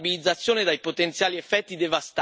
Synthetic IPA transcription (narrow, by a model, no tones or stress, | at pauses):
bilid̪zːat̪sːjoːned̪ajpot̪ent̪sjaːliɛfːɛt̪ːid̪evast̪